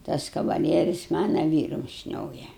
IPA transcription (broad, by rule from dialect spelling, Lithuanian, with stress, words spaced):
ˈtɐs kɐʋɐˈlʲiɛrʲɪs ˈmɑːnɐ ˈʋʲiːrʊm ˈʃʲnʲoːjɛ